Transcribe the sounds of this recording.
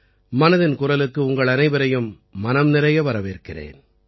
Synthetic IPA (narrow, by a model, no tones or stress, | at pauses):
mɐnɐðɪnkʊrɐlɯkːɯʊŋɡɐɭɐnɐɪʋɐɾɐjɯmː | ɐnɐmnɪɾɐjɐʋɐɾɐʋeːɾkɪrḛːn